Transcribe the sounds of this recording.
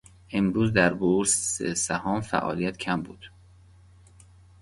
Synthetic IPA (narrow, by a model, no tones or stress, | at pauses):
ʔe̞mɾuːzd̪æɾbuɾsesæhɒːmfæ̰ʔɒ̰ːlijæt̪cʰæmbṵːd̪̥